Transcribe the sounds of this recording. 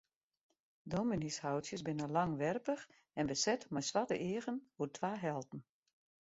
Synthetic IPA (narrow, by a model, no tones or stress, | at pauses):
dominishawtsjəsbɪnəlaŋʋɛrpəx | ɛnbəsɛtmɛjsʋatəʔɪːəɣənhutʰʋaːɦɛlˠtn̩